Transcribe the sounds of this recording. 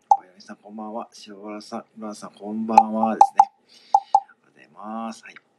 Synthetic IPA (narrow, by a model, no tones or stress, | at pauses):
kojamʲisãŋkõ̞mbãɰ̃βaɕioɾasãɾoasãŋkõ̞mbãɰ̃βad̪e̞sɨne̞ | at̪ḛmasɨ̥hai